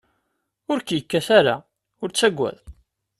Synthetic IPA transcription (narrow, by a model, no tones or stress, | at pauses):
ʊɾkjəkːæθæɾa̰ | ʊɾt͡sːæɡʷːæ̰ð